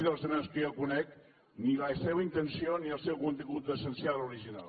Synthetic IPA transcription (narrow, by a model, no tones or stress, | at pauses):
ðəlˠzənanskəokunɛk | niləseβəint̪ənsioniəlˠsɛwkunt̪iŋɣut̪əsənsialuɾiʒina̰l